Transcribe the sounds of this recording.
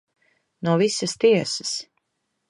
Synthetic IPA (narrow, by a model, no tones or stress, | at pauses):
nuɔvisɐst̪iɛsəs